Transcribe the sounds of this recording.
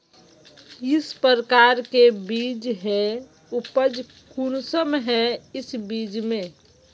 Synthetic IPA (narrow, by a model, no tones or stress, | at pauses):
jɪspəɾəkaːɾkebiːd͡ʒɦɛ | ʊpəd͡ʒ | kunsəmɦɛɪsbiːd͡ʒmẽ